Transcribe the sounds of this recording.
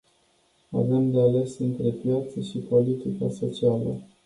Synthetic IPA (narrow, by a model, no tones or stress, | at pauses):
a̰vemd̪eale̞sɨnt̪ɾe̞pjat̪səʃipo̞lit̪ika̰so̞t͡ʃialə̰